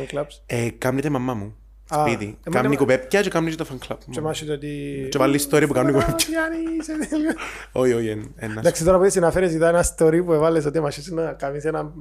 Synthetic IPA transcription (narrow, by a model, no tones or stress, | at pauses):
ŋklɐpsekɐmnit̪emɐmːɐmu | apit̪ḭmkɐmnikopep̚cɐt͡ʃekɐmnit͡ʃt̪ɐfɐŋklɐpmemɐʃisot̪it͡ʃevalːiist̪oɾiɐpukɐmonikupepcɐjaniseðloioienenɐd̪aksit̪oɾɐpot̪isinɐfeɾes̬it̪ɐenɐst̪oɾipuevɐlːes̬ot̪imɐʃisinɐkɐmisenɐ